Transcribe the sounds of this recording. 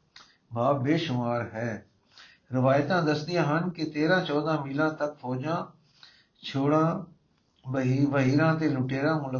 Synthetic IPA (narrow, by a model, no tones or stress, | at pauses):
baːbːeːʃʊmaːɾɦɛː | ɾɪʋaːjt̪ãːd̪əst̪ɪjãːɦənket̪eːɾãːt͡ʃɔːd̪ãːmiːlãːt̪ək̚pʰɔːd͡ʒãː | t͡ʃʰoːɽãː | ʋəɦiːɾãːt̪eːlʊʈeːɾãːmʊl